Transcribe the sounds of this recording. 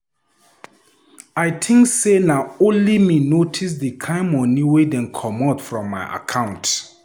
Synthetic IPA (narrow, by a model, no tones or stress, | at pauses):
aɪtʰɪ̃ŋksenaõnliminotʰis̬dikʰãɪ̃mɔniwedɛ̃nkʰɔmatfɹɔ̃mːaɪʔa̰kʰãʊ̃nt